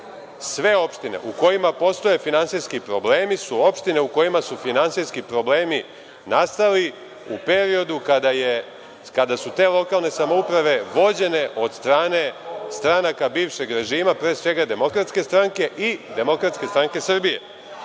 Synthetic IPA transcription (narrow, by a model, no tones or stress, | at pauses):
sʋe̞o̞pʃt̪ine̞̰ʔuko̞jimapo̞st̪o̞je̞finansijskipɾo̞ble̞ːmisuo̞pʃt̪ine̞uko̞jimasufinansijskipɾo̞bleːmi | nast̪ali | upe̞ɾio̞d̪ukad̪aje | kad̪asut̪e̞ːlˠo̞kaːlne̞samoupɾaʋe̞ʋo̞d͡ʑe̞ne̞ʔo̞d̪st̪ɾaːne̞st̪ɾanakabiːʋʃe̞ɡɾe̞ʒiːmapɾe̞ːsʋe̞ɡad̪e̞mo̞kɾat̪ske̞st̪ɾaŋke̞ʔid̪e̞mo̞kɾat̪ske̞st̪ɾaŋke̞sr̩bije̞